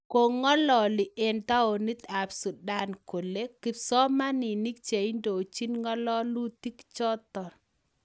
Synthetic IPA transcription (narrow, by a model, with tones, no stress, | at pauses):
ko˨ŋɔ˦lɔ˨lɪ˨ʔe˨nt̪a˦o˨ni˦t̪a˨psu˨da˦nko˨le˦kɪ˨psɔ˦ma˦nɪ˨ni˦k̚t͡ʃe˨i˦ndo˨t͡ʃi˦nŋɔ˦lɔ˦lu˦t̪i˦kt͡ʃɔ˦t̪ɔ˨